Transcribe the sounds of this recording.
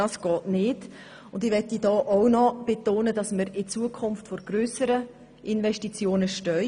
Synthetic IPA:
ɑsɡ̥ɔːtnɪːd | ʊndɪʋɛtːidɔːʔownɔb̥etoːnədɑsməɾɪt͡suəkʰʊnftfɔɾɡ̥ɾøːsəɾə | ʔɪnʋɛʃtit͡sjoːnəʃtœʏ

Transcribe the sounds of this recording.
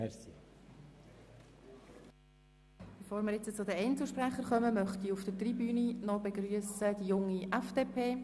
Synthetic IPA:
ɛsi | b̥efoːɾmɪɾjɪt͡st͡sʊdəɛɪnt͡sl̩ʃprɛχəɾχœməmœχtiufd̥ətribyːninɔbeɡryəsəd̥ijʊŋiʔɛfd̥eːpʰeː

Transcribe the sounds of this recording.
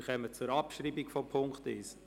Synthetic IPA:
χœmət͡sʊɾɑpʃɾiːbikfɔpʰʊŋktɪs

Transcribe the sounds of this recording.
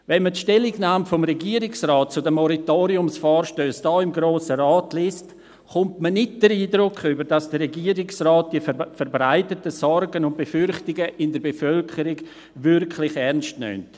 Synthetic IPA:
vɛnmətʃtɛlɪɡnaːmfomɾɛɡiːəɾɪksraːt̚t͡sʊdɛmɔɾitoːɾiʊmsfɔːɾʃtøːsd̥ɔːɪmɡɾoːsəɾaːtlɪst | χʊntmənɪt̚d̥əɾiːdɾʊkχybəɾd̥asd̥əɾɛɡiːəɾɪksraːt̚d̥iəfəɾbɾaɪtətəsɔɾɡənʊnt̚b̥efʏɾχtɪɡəʔɪndəɾbefœlkʰəɾɪɡ | vʏɾkʰlɪχɛɾnstnʏ̰mt

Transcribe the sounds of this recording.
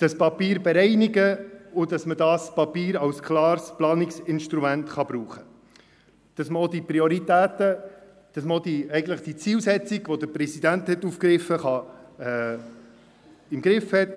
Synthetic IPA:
d̥ɑspɑpiːɾbɛɾɛɪniɡəʊd̥ɑsmədɑːspɑpiːɾɑwskʰlɑːɾsplɑːnɪksɪnʃt̪ɾumæntχɑb̥ɾuːχə | d̥ɑsməodiprioɾitæːtə | d̥ɑsməod̥iɛɪɡən̩tləχd̥it͡siːlsɛt͡siɡʋodəpɾɛsidænt̪hɛtːuːfkɾɪfːəχɑɛ | ɪmɡɾɪfhɛt

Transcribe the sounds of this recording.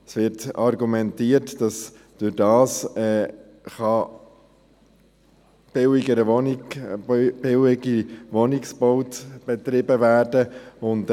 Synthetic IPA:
sʋɪɾtɑɾɡumɛntiːətd̥ɑs | d̥ʊɾdɑːsɛː | χɑ | b̥ɪwɪɡəɾəɔnɪ | b̥ɪwɪɡiʋɔnɪksb̥ɔʊtb̥ɛtɾɪbəvæːrdəʊnd

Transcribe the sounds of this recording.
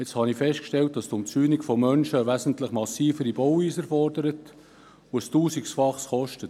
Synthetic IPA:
et͡sthɑnifɛʃt̚kʃtɛlt̚d̥ɑstʊmt͡syːnikfɔmœnʃəʋæzən̩tləχmɑsiːfəɾib̥ɔwiːsəɾfɔɾdəɾət | oəstuːsiksfɑχsχɔʃtət

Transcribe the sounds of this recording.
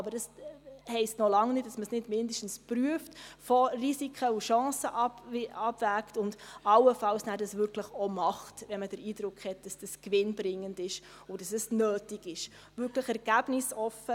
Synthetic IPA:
ɑbəɾd̥ɑshɛɪstnɔlɑŋnɪt̚d̥ɑsməsnɪdmɪndəʃtn̩spɾyəftfɔrisikʰəuʃɑ̃ːsəʔɑ̥ɑbvæːktʊndɑwəfɑlsnæːɾdɑsʋʏɾkləχɔmɑχtʋɛnməd̥əɾiːdɾʊkχhɛt̚d̥ɑsd̥əskʋɪnbɾɪŋːəndɪʃ | ʊd̥ɑsɛsnøːtɪɡɪʃ | ʋʏɾkləχɛɾɡ̥æbnɪsɔfːə

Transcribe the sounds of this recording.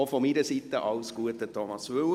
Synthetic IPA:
ofɔmiːɾəsit̪ːəʔɑʊsɡ̥uətətʰɔmɑsʋʉw

